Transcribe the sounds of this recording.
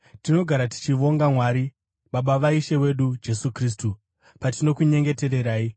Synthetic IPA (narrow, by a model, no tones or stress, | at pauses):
tino̞ɡʱaɾati̥t͡ʃiʋo̞ŋɡamwaɾi | ɓaɓaʋaiʃe̞we̞ɗud͡ʒe̞sukriːs̬tu | patino̞kuɲe̞ŋɡe̞te̞ɾe̞ɾaːi